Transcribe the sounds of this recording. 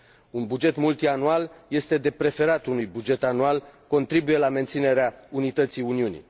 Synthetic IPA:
unbud͡ʒe̞t̪mult̪ianualje̞st̪e̞d̪e̞pɾe̞fe̞ɾat̪unujbud͡ʒe̞t̪anualko̞nt̪ɾibuje̞lame̞nt̪sine̞ɾeaunit̪ət̪siuniunḭ

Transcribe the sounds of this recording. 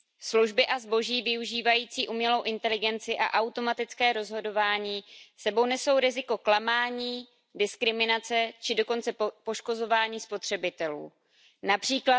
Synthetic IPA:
sluʒbɪʔazbo̞ʒiːvɪuʒiːvajiːt͡siːʔumɲɛlo̞wʔɪnt̪ɛlɪɡɛnt͡sɪʔa̰ʔawt̪o̞mat̪ɪt͡skɛːɾo̞zɦo̞do̞vaːɲiːsɛbo̞wnɛso̞wɾɪzɪko̞klamaːɲiː | dɪskɾɪmɪnat͡sɛt͡ʃɪdo̞ko̞nt͡sɛpo̞ʃko̞zo̞vaːɲiːspo̞t̪r̥ɛbɪt̪ɛlṵː | napr̝̥iːkla

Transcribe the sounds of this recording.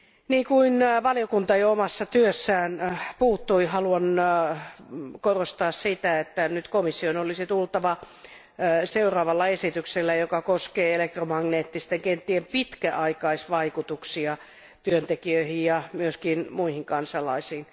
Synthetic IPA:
niːkuinʋɑliokunt̪ɑjoomɑsːɑt̪yøsːæːnpuːt̪ːuihɑluɑn | korost̪ɑːssit̪æet̪ːænyt̪komisːionolisit̪ult̪ɑʋɑ | seurɑːʋɑlːɑesit̪ykselːæjokɑkoskeːelek̚t̪romɑŋneːt̪ːist̪eŋkeent̪ːiempit̪kæʔɑikɑisʋɑikut̪uksiɑ | t̪yønt̪ekiøihijjɑmyøskinmuihiŋkɑnsɑlɑisiːn

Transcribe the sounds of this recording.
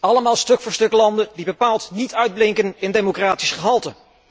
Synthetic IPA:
ɑləmaːlˠstɵkfʊːɹstɵklɑndədibəpaːlˠtnitœɥd̚blɪŋkənɪndemokraːtisχəɦɑlˠtə

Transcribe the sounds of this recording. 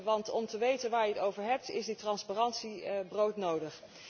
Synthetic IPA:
ʋɑntɔmtəʋejtənʋaːɹjəətowvəɹɦɛp̚tɪ̰zditrɑnsparɑntsibrowtnowdəχ

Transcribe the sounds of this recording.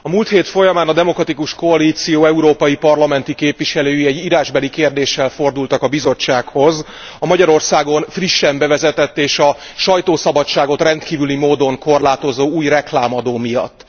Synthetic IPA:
ɒmuːlt̪heːt̪fo̞jɒmaːnɒd̪ɛmo̞krɒt̪ikuʃko̞ɒliːt̪sijoːɛuɾoːpɒjipɒrlɒmɛnt̪ikeːpʋiʃɛløːjiɛɟːiɾaːʒbɛlikeːrd̪eːʃːɛlfo̞rd̪ult̪ɒkɒbizo̞t͡ʃːaːkho̞z | ɒmɒɟɒɾo̞rsaːɡo̞nfriʃːɛmbɛvɛzɛt̪ɛt̪ːeːʃɒ | ʃɒjt̪oːsɒbɒt͡ʃːaːɡo̞t̪rɛnt̪kiːvylimoːd̪o̞ŋko̞rlaːt̪o̞zoːuːjrɛklaːmɒd̪oːmijɒ̰t̪ː

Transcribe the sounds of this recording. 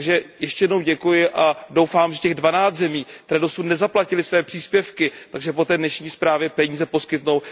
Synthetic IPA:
ɡʒɛjɛʃcɛjɛdno̞wɟɛkujɪʔado̞wfaːmʒɛcɛɣdvanaːt͡st̪zɛmiːk̚t̪ɛɾɛːdo̞sutnɛzaplacɪlɪsvɛːpr̥iːspjɛfkɪt̪aɡʒɛpo̞t̪ɛːdnɛʃɲiːspɾaːvjɛpɛɲiːzɛpo̞skɪt̪no̞w

